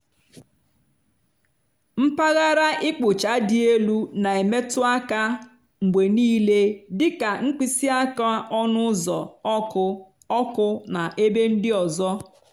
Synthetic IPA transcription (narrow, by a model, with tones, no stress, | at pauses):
m̩˦pa˦ɣa˦ɾa˦ʔɪ˦k͡pʊ˨t͡ʃa˨˦dɪ˦e˦lu˦na˨e˨me˦tʊ˦a˦ka˦ | ŋ͡m̩˨ɡ͡bʷe˨niː˦le˦dɪ˦ka˨ŋ̩˦k͡pi˦si˦a˦ka˦ʔɔ˦nʊ˦zɔ˨˦ʊ˦ | ɔ˦kʊ˦na˨ʔe˦be˦n̩˦dɪ˦ɔ˨zɔ˦